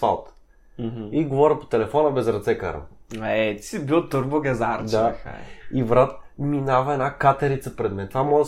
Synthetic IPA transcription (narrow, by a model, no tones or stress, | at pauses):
fa̰lˠt̪ | iɡovɔɾʲəpo̥t̪ɛlɛfɔnəbɛzɾɐt̪sɛka̰ɾə̰aɛt̪sibilˠt̪oɾboɡɛzaɾd̪aa̰ivɾat̪minavɐɛnakat̪ɛɾit̪səpɾɛd̪mɛnt̪vamɔʒ